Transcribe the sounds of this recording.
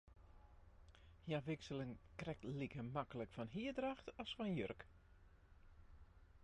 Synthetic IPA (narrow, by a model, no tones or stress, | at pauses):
hjaʋɪksəlɪŋkrɛk̚tlikəmakələkfɔnɦiədraxtɔsfɔnjørk